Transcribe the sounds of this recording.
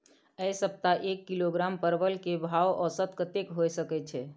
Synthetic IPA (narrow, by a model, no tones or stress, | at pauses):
əjsəp̚t̪aʔekːiloɡɾampəɾbəlkebʱawʔɔsət̪kət̪ekɦojsəkɛt͡ʃʰɛ